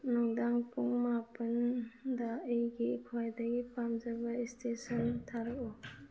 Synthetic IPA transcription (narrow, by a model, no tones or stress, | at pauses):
nɔŋdaŋpuŋmapəndaejɡikʰajdaɡipamd͡ʒabaistesɔntʰaɾɔʔɔ